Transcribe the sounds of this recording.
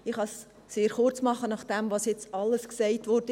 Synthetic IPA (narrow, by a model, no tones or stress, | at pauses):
ɪχhɑsː | eːɾχʊrt͡smɑχːənɑχd̥ɛmvɑsjɛt͡sɑlːəsksɛɪtʋɔrd̥ə